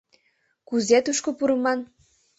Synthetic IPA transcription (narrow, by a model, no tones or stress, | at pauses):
kuzet̪uʃkopuɾəmɑn